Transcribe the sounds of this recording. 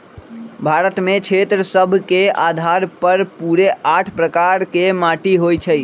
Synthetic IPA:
bʱaɾət̪mekt͡ʃʰet̪ɾəsəbʱkead̪ʱaɾpəɾpuɾeaʈʰpɾəkaɾkemaʈiɦojt͡ʃʰəj

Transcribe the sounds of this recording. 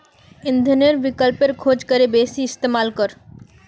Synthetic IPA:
ɪnd̪ʱəneɾbɪkəlpeɾkʰod͡ʒkəɾebesiɪst̪emaːlkɔɾ

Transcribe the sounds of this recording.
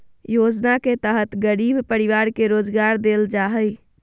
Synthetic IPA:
jod͡ʒnaket̪əɦət̪ɡəɾibpəɾiʋaɾkeɾod͡ʒɡaɾd̪eld͡ʒaɦəj

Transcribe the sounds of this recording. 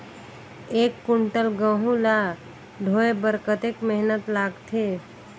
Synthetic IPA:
eːkːuɳʈəlɡə̃ɦũla | ɖʱoːebəɾkət̪ekmeɦnət̪laːɡt̪ʰe

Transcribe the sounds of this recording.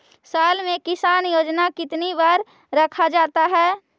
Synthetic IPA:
saːlmẽkɪsaːnjoːd͡ʒnakɪt̪nibaːɾ | ɾɐkʰad͡ʒaːt̪aɦɛː

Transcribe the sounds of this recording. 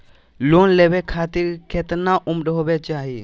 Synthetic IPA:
loːnlɛbɛkʰaːt̪iɾkɛt̪naʔʊmɗɦobɛt͡ʃaːɦi

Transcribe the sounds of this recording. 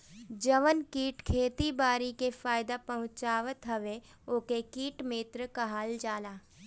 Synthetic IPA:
d͡ʒɐʋənkiːʈkʰeːt̪ibaːɾikefaːɪd̪apɐɦʊ̃t͡ʃaːʋət̪ɦɐʋe | oːkekiːʈmeːt̪ɾəkɐɦaːld͡ʒaːlaː

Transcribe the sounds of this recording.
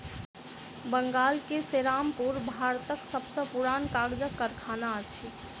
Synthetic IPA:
bəŋɡaːlkeseɾaːmpuɾbʱaːɾt̪əksəbsə̃puɾaːnkaːɡd͡ʒəkːəɾkʰaːnaət͡ʃʰi

